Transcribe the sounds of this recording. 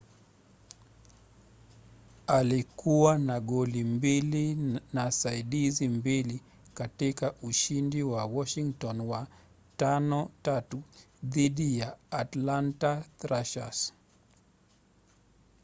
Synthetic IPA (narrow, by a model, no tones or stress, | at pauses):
alikuwanaɠɔlimbilinasaiɗizimbili | katikaʔuʃindiwawɔʃiŋtɔnwa | tanɔtatu | ðiɗijaːtlantatɾaʃa̰s